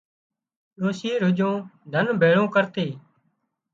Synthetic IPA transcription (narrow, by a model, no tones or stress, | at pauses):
ɗoːsiːɾʊd͡ʒõːd̪ʱənbʱeːɭõːkəɾt̪eː